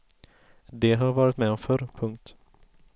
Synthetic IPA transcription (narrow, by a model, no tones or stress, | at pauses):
d̪ɛɦaɾvɑːɾɪt̪mɛɔmfœɾpʰɵŋkt̪